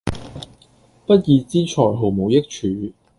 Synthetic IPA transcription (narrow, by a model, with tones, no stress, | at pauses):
pɐ˥t̚jiː˨˧t͡siː˥t͡ʃʰɔː˨˩jɦo˨˩wmo˨˧wjɪ˥k̚t͡ʃʰyː˨˥